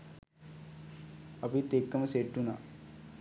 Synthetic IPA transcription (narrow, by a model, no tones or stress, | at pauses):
ɐpit̪ekːɐmɐseʈːuna